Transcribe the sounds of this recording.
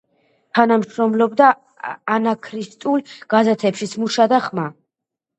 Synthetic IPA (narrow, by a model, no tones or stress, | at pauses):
t̪ʰanamʃɾɔmlɔbd̪aː | nakʰɾist̪ʼulˠɡ̥azɛt̪ʰɛpʃismuʃad̪aχma